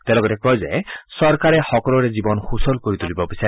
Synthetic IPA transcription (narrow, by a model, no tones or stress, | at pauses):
t̪elɔɡɔtekɔjzḛsɔɾkaɾehɔkɔlɔɾed͡ʒibɔnhusɔlkɔɾit̪ulibɔbisa